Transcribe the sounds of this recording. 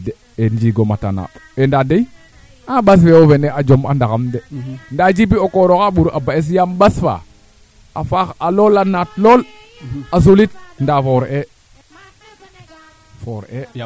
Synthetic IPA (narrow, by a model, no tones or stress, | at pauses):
de | end͡ʒiːɡomata̰na̰ːɓendadej | aɓas̬feofenead͡ʒoma̰ndaxamdendad͡ʒibiokoɾoxaɓuɾʔabaes̬jamɓasfa̰ | a̰faxalolanatloːl | as̬ulit̚ndafoɾe | foɾe